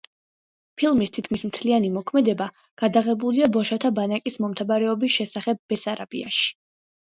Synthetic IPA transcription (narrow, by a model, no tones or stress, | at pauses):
pʰilˠmist̪ʰit̪̚kʰmismt̪ʰlianimɔkʰmɛd̪ɛba | ɡ̥ad̪aʁɛbuliabɔʃat̪ʰabanakʼismɔmt̪ʰavaɾɛɔbisʃɛsaχɛb̚ːɛsaɾab̥ia̰ʃi̥